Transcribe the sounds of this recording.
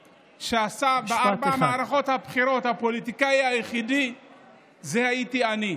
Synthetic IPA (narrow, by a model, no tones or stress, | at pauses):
ʃeasabaaɾbaamaːɾaχɔthapχiɾɔthapolitikaiajiχidi | zɛhaitiani